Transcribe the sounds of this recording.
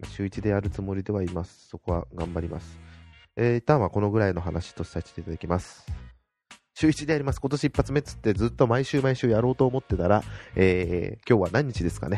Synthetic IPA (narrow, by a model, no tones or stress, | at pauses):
ma̰ɕɨːit͡ɕid̪e̞jaɾɯ̟t͡sɨmo̞ɾʲid̪e̞β̞aimasɨ̥so̞ko̞βa̰ɡã̰mbaɾʲima̰sɨ̥eːit̪ãɰ̃βako̞no̞ɡɯ̟ɾaino̞ɦanaɕi̥t̪o̞sɨ̥sai̥t̪e̞it̪ad̪akʲimasɨ̥ | ɕɨːit͡ɕid̪eaɾʲimasɨ̥ko̞t̪o̞ɕiipːat͡sɨme̞t͡sɨ̥t̪ːe̞d͡zɨːt̪ːo̞maiɕɨːmaiɕɨːjaɾo̞ːt̪o̞ːmo̞t̪ːe̞t̪aɾaeːkʲo̞ːβanãɲ̟ːit͡ɕid̪e̞sɨ̥ka̰ne̞